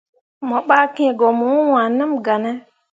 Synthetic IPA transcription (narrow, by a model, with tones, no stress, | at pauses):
mɔ˨ɓa˦kɛ̃˦˨ɡɔ˨mu˦wa˨nə˦mɡa˨nɛ˦